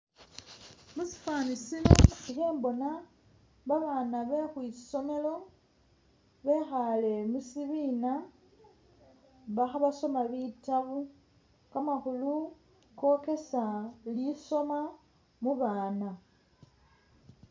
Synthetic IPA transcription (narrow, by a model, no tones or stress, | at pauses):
musi̥faːnisinoixeːmbo̞na | βaβaːnaβe̞xwiso̞me̞lo̞ | βe̞xale̞musiβiːna | βaxaβaso̞maβitaβu | kamaxulu | ko̞ke̞saliso̞ma | muβaːna